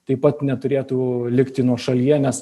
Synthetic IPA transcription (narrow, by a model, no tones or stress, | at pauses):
t̪ɐɪpɐt̪nʲɛt̪ʊɾʲeːt̪uːlʲɪkt̪ʲɪnuɔʃɐlʲiɛnʲɛs